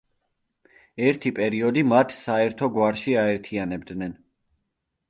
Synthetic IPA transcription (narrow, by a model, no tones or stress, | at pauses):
ɛɾt̪ʰipʼɛɾiɔd̪imat̪ʰsaɛɾt̪ʰɔɡwaɾʃiaɛɾt̪ʰianɛb̚d̪nɛn